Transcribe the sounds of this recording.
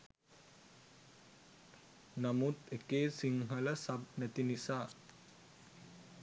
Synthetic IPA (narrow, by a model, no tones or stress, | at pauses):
namut̪ekeːsiŋɦələsab̚næt̪inisaː